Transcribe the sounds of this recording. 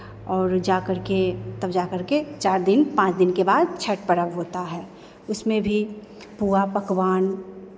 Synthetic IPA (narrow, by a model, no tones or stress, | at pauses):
ɔːɾd͡ʒaːkəɾket̪ɐbd͡ʒaːkəɾket͡ʃaːɾd̪ɪnpãːt͡ʃd̪ɪnkebaːd̪̚t͡ʃʰəʈpəɽəʋɦoːt̪aɦɛː | ʊsmẽbʱi | puapɐkwaːn